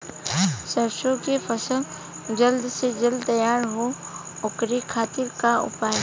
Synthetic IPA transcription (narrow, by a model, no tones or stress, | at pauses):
səɾʃõkefʰəsəl | d͡ʒəld̪sed͡ʒəld̪t̪ɐjaːɾɦo | ʊkɾikʰaːt̪ɪɾkaʊ̰paːj